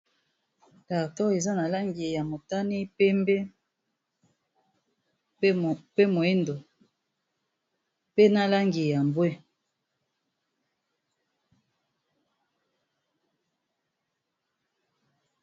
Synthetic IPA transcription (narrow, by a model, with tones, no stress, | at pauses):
ta˨tɔ˦e˨za˦na˨la˦ŋɡe˨ja˨mo˨ta˦ni˦pe˦mbe˦˨ | pe˦mo˨e˦ndo˨ | pe˦na˨la˦ŋɡi˨ja˨m˨bwe˦